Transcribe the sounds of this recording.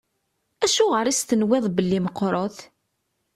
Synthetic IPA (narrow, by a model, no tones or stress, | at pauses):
æʃuʁəɾist̪ənwɪðˤbəlːiməqːɾˤoθ